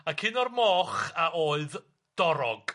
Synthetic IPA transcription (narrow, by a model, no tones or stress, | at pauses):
akʰɪnɔrmɔːχaʔoːɨð | d̥ɔɾɔ̰ɡ̥